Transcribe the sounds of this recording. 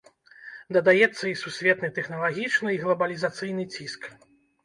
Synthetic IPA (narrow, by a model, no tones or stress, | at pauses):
d̪ɐd̪ajɛt̪sːɐisusʲvʲɛt̪nɨt̪ɛxnɐlˠaɣʲit͡ʂnɨiɣlˠɐbɐlʲizat̪sɨjnɨt͡sʲisk